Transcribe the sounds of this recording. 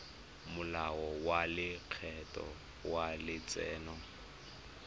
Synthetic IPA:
mʊlaɔwalɪq͡χʰɛtʼɔ̰ | walɪt͡sʼɛːnɔ

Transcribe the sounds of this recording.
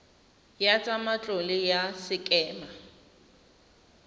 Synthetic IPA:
jat͡sʼamat͡ɬʼɔlɪjasɪkʼɛːma

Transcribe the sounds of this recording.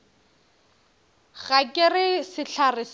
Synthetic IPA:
ɣakʼɪrɪsɪɬʰarɪs

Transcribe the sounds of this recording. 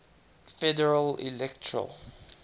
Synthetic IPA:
fɛdəɹəlḭlɛk̚tʰəɹə̰l

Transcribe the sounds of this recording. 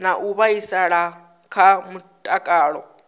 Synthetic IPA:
naʔuβaisaɺa | kʰamutʼakʼaːɺɔ

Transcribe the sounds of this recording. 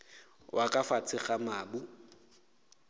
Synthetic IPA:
wʔakʼafat͡sʰɪχamaːbu

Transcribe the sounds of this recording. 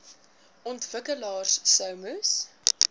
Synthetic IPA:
ʔɔntvəkəlɑːrsːœwməs

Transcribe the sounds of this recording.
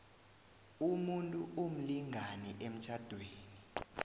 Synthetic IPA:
umuntʼuʔum̩liŋʱanɛʔem̩t͡ʃʰad̥ʱweːni

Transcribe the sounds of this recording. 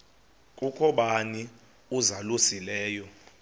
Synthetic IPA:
kʼukʰɔɓani | uzalusilɛːjɔ

